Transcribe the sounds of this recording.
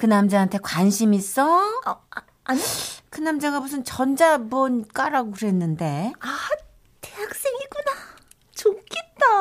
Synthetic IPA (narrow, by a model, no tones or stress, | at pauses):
kɯnamd͡ʑaantʰe̞kwanɕʰimis͈ʌ | kɯnamd͡ʑaɡabusʰɯnt͡ɕʌnd͡ʑabʌɲik͈aɾaɡokɯɾe̞nːɯnde̞a | tejak̚s͈eŋɡik͈una | t͡ɕok͈ʰet̚t͈a